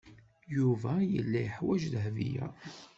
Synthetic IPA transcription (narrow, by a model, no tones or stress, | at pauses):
juvæjə̰lːæjəħwæʒðɦvḭjæ̰